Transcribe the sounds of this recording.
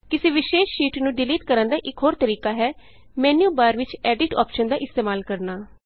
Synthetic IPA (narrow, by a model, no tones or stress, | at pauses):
kɪsĩːʋɪʃeːʃʃiːʈnũːɖɪliːʈkəɾənd̪aːʔɪkɦoːɾt̪əɾiːkaːɦɛː | mɛːnjuːbaːɾʋɪt͡ʃɛːɖɪʈɔ̰ːpʃənd̪aːʔɪst̪eːmaːlkəɾnaː